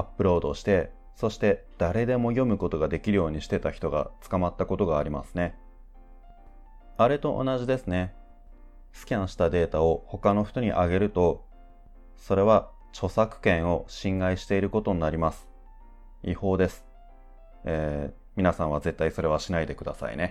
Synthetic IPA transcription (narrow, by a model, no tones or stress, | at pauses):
apːɯ̟ɾo̞ːd̪o̞ɕi̥t̪e̞ | so̞ɕi̥t̪e̞d̪̥aɾe̞d̪e̞mo̞jo̞mɯ̟ko̞t̪o̞ɡad̪e̞kʲiɾɯ̟jo̞ːɲ̟iɕi̥t̪e̞t̪açi̥t̪o̞ɡa̰t͡sɨ̥kamat̪ːako̞t̪o̞ɡaːɾʲimasɨ̥ne̞ | aɾe̞t̪o̞ʔo̰naʑid̪e̞sɨne̞ | sɨ̥kʲãɰ̃ɕi̥t̪ad̪e̞ːt̪ao̞ho̞kano̞ɸ̟t̪o̞ɲ̟ḭʔaɡe̞ɾɯ̟t̪o̞ | so̞ɾe̞βa | t͡ɕo̞sakɯ̟̥kẽ̞ɰ̃o̞ɕĩŋɡaiɕi̥t̪e̞iɾɯ̟ko̞t̪o̞ɲinaɾʲimasɨ̥ | iho̞ːd̪e̞sɨ̥ | eː | mʲinasãɰ̃βaze̞t̪ːaiso̞ɾe̞β̞aɕinaid̪e̞kɯ̟d̪asa̰ḭne̞